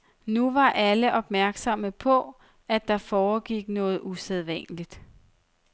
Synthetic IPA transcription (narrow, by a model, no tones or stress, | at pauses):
nuʋɑ̈ʔæləʔɒ̽b̥mæɐɡ̥sɒ̽məpʰɒ̽ | æd̥ɑ̈fɒːɡ̥iɡ̥nɔ̽ːð̞̩ˠuseð̞ˠʋæn̰lid̥